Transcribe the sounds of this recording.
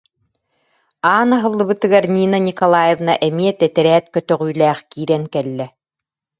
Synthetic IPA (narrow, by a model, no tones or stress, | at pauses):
aːnaɦɯlˠːɯbɯt̪ɯɡaɾnʲiːnɐnʲikɔlˠaːjevnaʔɛmiɛt̪ɛt̪ɛɾɛːt̪kœt̪œʁyːlæːχkiːɾɛŋkɛlːɛ